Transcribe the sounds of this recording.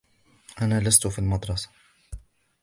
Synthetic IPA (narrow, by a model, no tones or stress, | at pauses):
ʔanaːlast̪ʊfiːlmɑd̪ˤɾˤɑsḁ